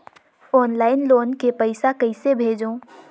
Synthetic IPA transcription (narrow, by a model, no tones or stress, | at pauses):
ɔːnlaːɪnloːnkepɐɪsakɐɪsebʱeːd͡ʒõː